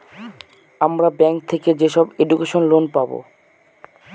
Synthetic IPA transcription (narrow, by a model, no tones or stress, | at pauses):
amɾabɛŋk̚t̪ʰeked͡ʑeʃɔbeɖukeʃonlonpabo̰